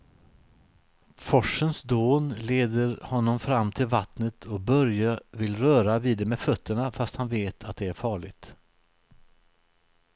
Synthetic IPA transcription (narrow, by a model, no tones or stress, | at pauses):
fɔʂːənsd̪oːnleːd̪əɾhɔnːɔmfɾamːt̪ʰɪlvat̪nət̪ʰɔkbœɾjavɪlɾœːɾaviːd̪ɛmeːd̪fœt̪ʰːəɳafast̪hanveːt̪ʰat̪̚d̪ɛæɾfɑːɭɪɡt̪